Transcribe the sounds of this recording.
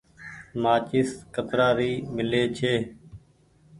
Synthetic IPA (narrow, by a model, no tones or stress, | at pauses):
maːt͡ʃɪːskət̪ɾaːɾiːmɪleːt͡ʃʰeː